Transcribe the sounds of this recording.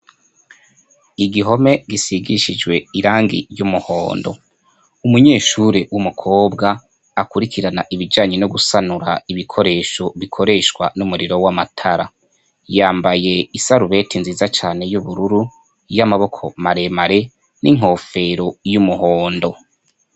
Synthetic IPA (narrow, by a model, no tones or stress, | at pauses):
iɡiɦo̞me̞ɡisiɡiʃid͡ʒɡwe̞iɾaːŋɡḭjumuhoːndo̞̰ | umuɲe̞ːʃuɾewumukʰo̞ːbɡaː | kuɾikʰiɾanaʔiβid͡ʒaːɲenoɡusanuɾaiβikʰo̞ɾe̞ːʃo̞βikʰo̞ɾe̞ʃkwa̰numuɾiɾo̞wamatʰaɾa | jaːmbaje̞isaɾuβe̞tinziːzat͡ʃaːne̞juβuɾuɾu | jamaβo̞kʰo̞̰maɾe̞maɾe | nʔiŋ̥ɦo̞ːfe̞ɾo̞jumuɦo̞ːndo̞